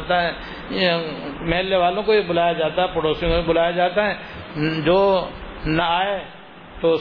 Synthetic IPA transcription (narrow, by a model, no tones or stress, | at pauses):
t̪aɦɛ̃ | mɛɦlːeʋaːlõkobibʊlaːjad͡ʒaːt̪aɛpɐɽoːsijõkobʱibʊlaːjad͡ʒaːt̪aɦɛd͡ʒoːnɐaːe | t̪o